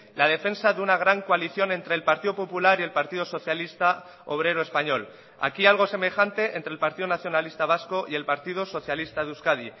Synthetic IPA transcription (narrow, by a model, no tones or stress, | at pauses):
lað̞e̞fe̞nsaðunaɣ̞ɾaŋkoaliθjo̞nẽ̞nt̪ɾe̞ːlpaɾt̪iðo̞po̞pulaɾie̞lpaɾt̪iðo̞so̞θjalist̪a | o̞̰β̞ɾe̞ɾoe̞spaɲo̞l | a̰kialɣ̞o̞se̞me̞xant̪e̞ʔent̪ɾelpaɾt̪iðonaθjo̞nalist̪aβ̞asko̞ʔie̞lpaɾt̪ið̞oso̞θjalist̪aðuskaði